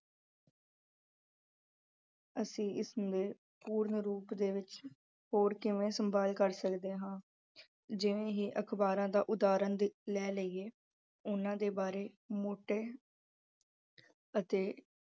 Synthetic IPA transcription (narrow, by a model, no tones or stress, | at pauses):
əsĩːʔɪseː | puːɾnəɾuːpd̪eːʋɪt͡ʃ | ɦoːɾkɪʋẽːsəmbaːlkəɾsəkd̪eːɦãː | d͡ʒɪʋẽːɦiːʔəkʰbaːɾãːd̪aːʔʊd̪aːɾənd̪lɛːləiːeː | ʊnãːd̪eːbaːɾeː | moːʈeː | ət̪eː